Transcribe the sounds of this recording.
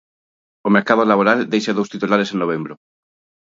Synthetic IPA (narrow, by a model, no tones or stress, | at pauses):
omeɾkað̞olaβoɾald̪ejʃaðowst̪it̪ulaɾesenːoβ̞embɾo